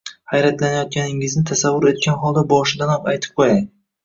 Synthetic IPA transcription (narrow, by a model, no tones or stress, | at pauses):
hajɾat̪lanajɒt̪̚kʲʰanɪŋɪznɪt̪ʰasavːʊɾe̞t̪̚kʲʰanɦɒlˠd̪abɒʃɪd̪anɒqajt̪ʰɪ̥p̚qʰoja